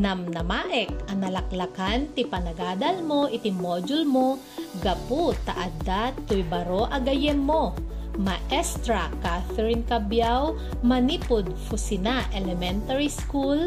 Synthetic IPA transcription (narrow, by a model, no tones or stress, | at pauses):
nɐmnɐmaːʔɛk̚ɐnɐlɐk̚lɐkant̪ɪpɐnɐɡaːd̪ɐlmoʔɪt̪ɪmod͡ʒʊlmo | ɡɐput̪ɐ̰ʔad̪at̪ʊjbɐɾoʔɐɡɐjɛnmo | mɐʔɛst̪ɾakaθɛɾɪnkɐbjaw | mɐniːpʊd̪̚fʊsɪnaʔɛlɛmɛnt̪ɐɹiskul